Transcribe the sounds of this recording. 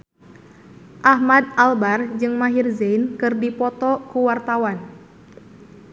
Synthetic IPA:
ʔahmad̪̚albard͡ʒɨŋmaɦirzejnkɨrdipɔt̪ɔkuwart̪awan

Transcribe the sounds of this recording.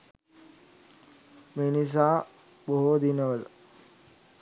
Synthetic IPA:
menis̬aː | ɓoɦod̪inəʋəl

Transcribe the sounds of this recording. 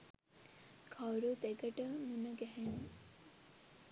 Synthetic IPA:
kʰawɾot̪eɡəʈəmunəɡɛɦen

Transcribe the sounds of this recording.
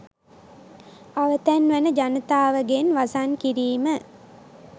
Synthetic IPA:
aʋət̪ænʋænəd͡ʒanət̪aːʋəɡenʋasankiɾiːmə

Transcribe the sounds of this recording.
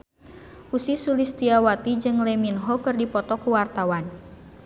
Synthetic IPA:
ʔusisulist̪iawat̪id͡ʒɨŋlɛminɦɔkɨrdipɔt̪ɔkuwart̪awan

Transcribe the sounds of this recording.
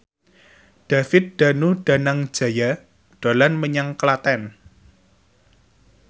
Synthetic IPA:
ɖ̥a̤fɪt̪̚d̪̥a̤nuɖ̥a̤naŋ̥d͡ʒ̥a̤ja | ɖ̪̥olanməɲaŋklat̪ɛn

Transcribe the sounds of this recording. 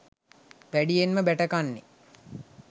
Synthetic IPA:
ʋæɖijenməbæʈəkanːe

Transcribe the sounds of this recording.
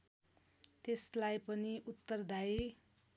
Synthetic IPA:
t̪eslajpʌniʔut̪ːʌrd̪aj

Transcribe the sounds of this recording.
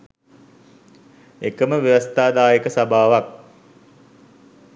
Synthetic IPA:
ekəməʋeʋast̪aːd̪aːjəkəsabʱaːʋak̚

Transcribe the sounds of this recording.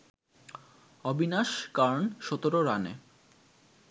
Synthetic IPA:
ɔbʱinaʃkaɾnʃɔt̪oɾoɾanḛ

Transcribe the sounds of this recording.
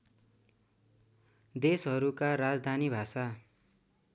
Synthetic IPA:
d̪esɦʌɾukaɾad͡zd̪ʱanibʱasa

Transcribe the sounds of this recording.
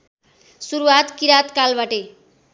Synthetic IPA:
suɾuwat̪kiɾat̪kalbaʈe

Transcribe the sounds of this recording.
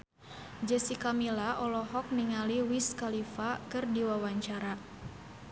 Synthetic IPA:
d͡ʒəsikamilaʔɔlɔɦɔk̚niŋaliwiskalifakɨrdiwawaɲt͡ʃaɾa

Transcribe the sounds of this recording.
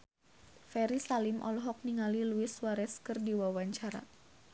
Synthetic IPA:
fɛɾisalɪmʔɔ̰lɔɦɔk̚niŋaliluɪswaɾɛskɨrdiwawaɲt͡ʃaɾa̰

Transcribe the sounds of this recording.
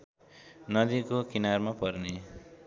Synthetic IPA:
nʌd̪ikokinarmapʌrne

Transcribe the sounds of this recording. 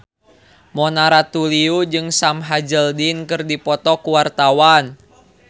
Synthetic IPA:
mɔnaɾat̪uliud͡ʒɨŋsamɦad͡ʒəldinkɨrdipɔt̪ɔkuwart̪awan

